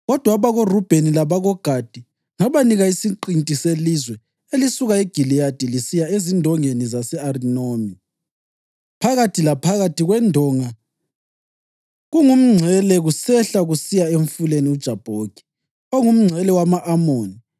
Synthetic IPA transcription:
ɣɔd̥ʱwaβaɣorub̥ʱenilaβaɣɔɡ̥ʱad̥ʱi | ŋaβaniɣaisiǃintʼiselizwɛ | elisuɣaeɡ̥ʱilijad̥ʱilisijaezindʱɔŋenizasɛarinoːmi | pʰaɣatʰilapʰaɣatʰiɣwɛndʱɔːŋa | ɣuŋum̩ŋ͡ǀʱɛlɛɣusɛɬaɣusijaeɱfuleniud̥ʒ̥ʱab̥ʱoːɡ̥ʱi̥ | oŋum̩ŋ͡ǀʱɛlɛwamaʔamoːni

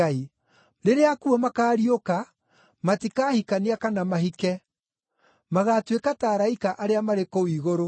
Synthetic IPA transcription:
ai | ɾeɾeakuɛmakaːɾioka | matikaːhikaniakanamahikɛ | maɣaːtwekataːɾaikaʔaɾeamaɾekowiːɣoɾo

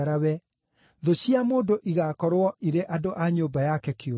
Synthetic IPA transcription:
ɾawɛ | ðoɕiamoːdoʔiɣakɔɾwɔʔiɾeʔadoʔaɲoːbajakɛkeo

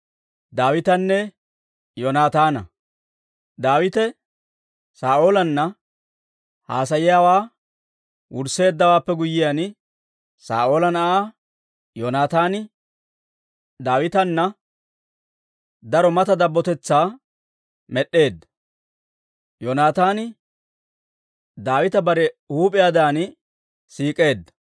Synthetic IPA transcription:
d̪aːwɪt̪ɐnːɛ | jonaːt̪aːnɐ̰ | d̪aːwɪt̪ɛ | saːʔo̞ːlɐnːɐ | haːs̬ɐjɪjaːwaː | wʊɾse̞ːd̪ːɐwaːpːɛɡʊjɪjan | sa̰ːʔo̞ːlɐnɐʔaː | jonaːt̪aːnɪ | d̪aːwɪt̪ɐnːɐ | d̪ɐɾɔmɐt̪ɐd̪ɐbːɔt̪ɛt͡sːaː | mɛɗːe̞ːd̪ːɐ̥ | jonaːt̪aːnɪ | d̪aːwɪt̪ɐbɐɾɛhuːpʼɪjaːd̪aːnɪ | siːkʼe̞ːd̪ːɐ̥

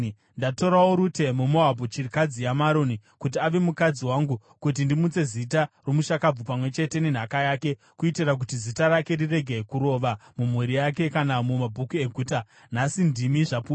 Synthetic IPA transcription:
ndato̞ɾawoɾute̞mumoɦabʱot͡ʃirikad͡zijamaɾo̞nikut̬iaʋe̞mukad͡ziwaŋɡu | kut̬indimut͡se̞zit̬aromuʃakab͡vupamwe̞t͡ʃe̞te̞nen̤akajaːke̞ | kuitirak̬utizitaɾake̞rire̞ɡʱekuɾo̞ːʋamumwuɾijake̞kanamumabʱukue̞ɡʱuːta | n̤asindimiʐapu

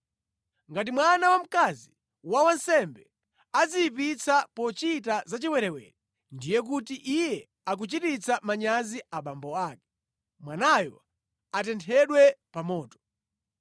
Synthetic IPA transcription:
ŋɡat̬imwanawam̩kazi | wawansɛmbɛ | azijip̬it͡sʰapɔt͡ʃitazat͡ʃiwɛɾɛwɛ̰ɾɛ | ndijɛk̬utiʔijɛ | ak̬ut͡ʃitit͡samaɲaziaɓambɔaːkɛ̥ | mwanajɔ | atɛntʰɛɗwɛpamɔːtɔ̥

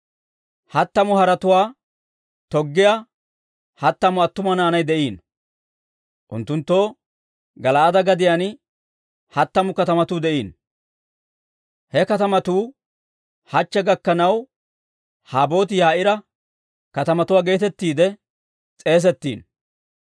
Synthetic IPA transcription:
hɐt̪ːɐmʊhɐɾɐt̪ʊwaː | t̪ɔɡːɪja | hɐt̪ːɐmʊɐt̪ːʊmɐnaːnɐjd̪ɛʔiːn | ʔʊ̰nt̪ːʊnt̪ːoː | ɡɐlɐʔɐd̪ɐɡɐd̪ɪjan | hɐt̪ːɐmʊkɐt̪ɐmɐt̪uːd̪ɛʔiːn | hɛkɐt̪ɐmɐt̪uː | hɐt͡ʃːɛɡɐkːɐnɐw | haːbo̞ːt̪ɪjaːʔɪɾɐ | kɐt̪ɐmɐt̪ʊwaːɡe̞ːt̪ɛt̪ːiːd̪ɛ | t͡sʼe̞ːs̬ɛt̪ːḭːn

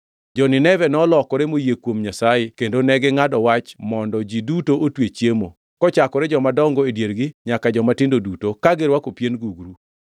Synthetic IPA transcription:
d͡ʒɔnɪnɛvɛnɔlɔkɔɾɛmojekwomɲasajekendonɛɡɪŋadɔwat͡ʃmɔndɔd͡ʒidutoʔotwet͡ʃjemo | kɔt͡ʃakɔɾɛd͡ʒɔmadɔŋɡɔedjeɾɡɪɲakad͡ʒɔmatɪndodutokaɡɪɾwakopjenɡuɡɾu

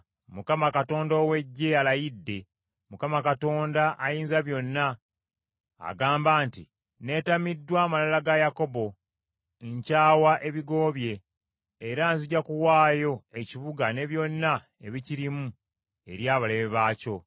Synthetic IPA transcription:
mukamakato̞ːndoːwe̞ɟːe̞alajidːe̞ | mukamakato̞ːndaʔajiːnzaβjo̞nːa | ɡaːmbaːnti | ne̞tamidːwaːmalalaɡajako̞bo̞ | eɲcaːwaʔe̞βiɡo̞ːβje̞ː | ɾaːnziɟakuwaːjo̞eciβuɡane̞βjo̞nːa | e̞βiciɾimu | e̞̰ɾjaːβaleβeβaːco̞

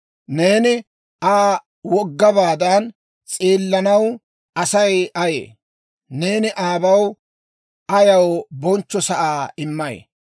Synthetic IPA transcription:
ne̞ːnɪ | ʔaː | wɔɡːɐbaːd̪ɐn | t͡sʼeːlːɐnɐw | ɐsɐjɐjḛː | ne̞ːnɪʔaːbɐw | ʔɐjɐwbɔnt͡ʃːɔsɐʔaːɪmːɐj̰

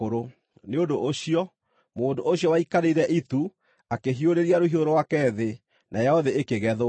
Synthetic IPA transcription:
oɾo | neondoʔoɕiɔ | moːndooɕiɔwaikaɾeɾɛʔitu | akeɦioɾeɾiaɾoɦioɾowakɛðe | nʔajɛɔðeekeɣɛðo

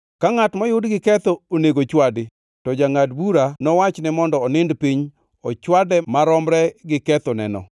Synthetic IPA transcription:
kaŋatmɔjʊdɡɪkɛt̪ooneɡot͡ʃwadɪ | tɔd͡ʒaŋadbuɾanɔwat͡ʃnɛmɔndɔːnɪndpiɲ | ɔt͡ʃwadɛmaɾɔmɾɛɡɪkɛt̪ɔnɛ̰nɔ̰

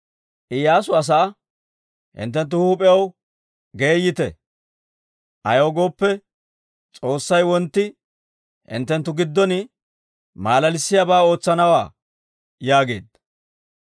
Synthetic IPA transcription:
ʔɪjaːsʊɐs̬ɐʔɐ | hɪ̰nt̪̬ːɛnt̪ːʊhʊpʼɛjɐw | ɡeːjːɪt̪ɛ̰ | ʔɐjoːɡo̞ːpːɛ | t͡sʼo̞ːsːɐjwɔnt̪ːɪ | hɪ̰nt̪ːɛnt̪ːʊɡɪd̪ːɔnɪ | maːlɐlɪsːɪjɐbaːo̞ːt͡sːɐnɐwaː | jaːɡe̞̰ːd̪ɐ

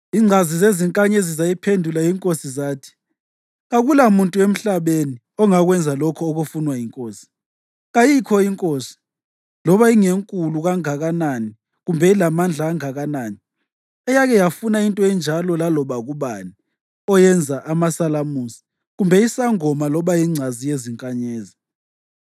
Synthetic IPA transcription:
iŋ͡ǀʱazizeziŋkʼaɲɛzizajipʰendʱulajiŋkʼosizaːtʰi̥ | ɣaɣulamuntʼuem̩ɬaβeni | ɔŋaɣwɛnd͡zʱalɔkʰɔoɣufunwajiŋkʼoːsi̥ | ɣajikʰɔiŋkʼoːsi̥ | lɔβaiŋeŋkʼuluɣaŋaɣanani | ɣumbʱɛilamand͡ɮʱaːŋaɣanaːni | ɛjaɣɛjafunaintʼɔɛnd͡ʒʱalɔlalɔβaɣuβani | ɔjɛnd͡zʱaʔamasalamusi̥ | ɣumbʱɛisaŋɔmalɔβajiŋ͡ǀʱazijeziŋkʼaɲeːzi

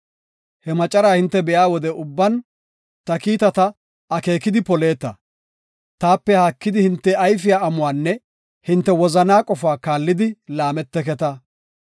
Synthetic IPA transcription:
hɛmɐt͡ʃʼɐɾaːhɪnt̪ːɛbɛjaːwɔd̪ɛʔʊbːɐn | t̪ɐkiːt̪ɐt̪ɐ | ɐke̞ːkɪd̪ɪpɔle̞ːt̪ːɐ̰ | t̪aːpːɛhakːɪd̪ɪhɪnt̪ːɛɐjfɪjaːɐmʊwaːnːɛ | hɪnt̪ːɛwɔzɐnaːkʼɔfaːkaːlːɪd̪ɪlaːmɛt̪ːɛkɛt̪ɐ

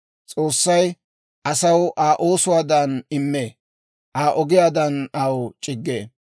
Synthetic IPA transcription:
t͡sʼoːsːɐj | ʔɐsɐwʔaːʔoːsʊwaːd̪ɐnɪmːeː | ʔaːʔɔɡɪjaːd̪ɐnɐwt͡ʃʼɪɡːeː

